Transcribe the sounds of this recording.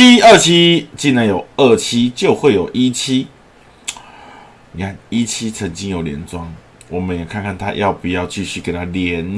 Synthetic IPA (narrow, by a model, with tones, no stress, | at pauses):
i˦ə˥˩t͡ɕʰi˦t͡ɕi˥˩nə˨˦jo˨˩ʊə˥˩t͡ɕʰi˦t͡ɕjo˥˧ʊxwe˥˩ɪjo˨˩ʊʔi˦t͡ɕʰi˦ | ni˨˩kʰa˥˩ni˦t͡ɕʰi˦t͡sʰə˧˦ŋt͡ɕi˦ŋjo˨˩ʊljɛ̰˧˦nt͡swɑ˦ŋ | wɔ˨˩mə˨˦njɛ˨˩kʰa˥˧nkʰa˥˩nt̪ʰa̰˦jɑ˥˩ʊpu˨jɑ˥˧ʊt͡ɕi˥˧ɕy˥˩ke˨˩ɪt̪ʰa˦ljɛ˨˦n